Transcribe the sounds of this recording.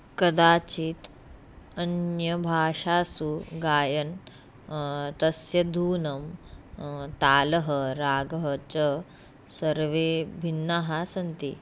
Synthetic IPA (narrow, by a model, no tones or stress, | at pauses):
kɐd̪aːt͡ʃiːt̪ | ɐnjɐbʱaːʂaːsuɡaːjɐn | t̪ɐsjɐd̪ʱuːnɐm | t̪aːlɐɦɐɾaːɡɐɦɐt͡ʃɐ | sɐɾʋebʱinːaːɦasɐnt̪ḭ